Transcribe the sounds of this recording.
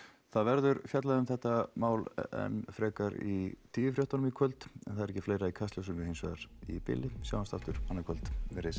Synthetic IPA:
θaðvɛɾðʏɾfjat̪laðʏmθɛht̪ːamaːwlɛ̰nfɾɛːkaɾit̪ʰiːvʏfɾjoht̪anmikʰœlt̪ɛnθaðɛɾɛcːɪfleːjɾaikʰast̪œwsʏmɪhejnsvɛðaɾipɪ̰lɪsja̰ːwanst̪aft̪ʏɾ̥anːakʰœlt̪ɪɾes

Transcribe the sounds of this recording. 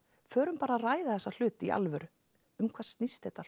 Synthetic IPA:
fœːɾʏmpaːɾaraːjðaθɛsːal̥ʏːt̪iʔa̰lvʏɾ | ʏmkʰv̥ḁːst̪nist̪hɛt̪a

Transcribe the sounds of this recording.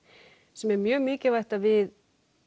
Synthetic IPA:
sɛmɛɾmjœːɣmɪːcɪvajht̪avɪð

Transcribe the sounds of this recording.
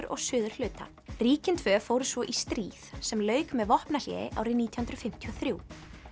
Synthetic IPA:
ɾɔ̰ɣsʏːðʏr̥l̥ʏːt̪a̰ | riːcɪnt̪ʰvœːfoːwɾʏsvɔʔist̪ɾiːð̥sɛmlœːɥkmɛðvɔhpnal̥jɛ̰ðɪ̰ʔa̰ːwɾɪniːt̪jɔhʏnt̪ɾʏfɪm̥t̪ʰiɔθɾjuː

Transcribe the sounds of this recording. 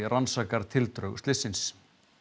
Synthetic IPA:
ransaːkaɾ̥t̪ʰɪlt̪ɾœɥɣt̪lɪsɪns

